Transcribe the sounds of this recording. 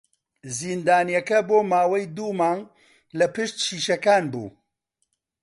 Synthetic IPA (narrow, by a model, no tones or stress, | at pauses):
zind̪aːnjɐkɐboːmaːwɐjd̪uːmaːŋ | lɐpɨʃt̪t͡ʃʰiːʃɐkaːnbṵː